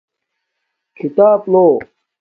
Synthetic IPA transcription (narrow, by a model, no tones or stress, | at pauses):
kʰit̪aːploː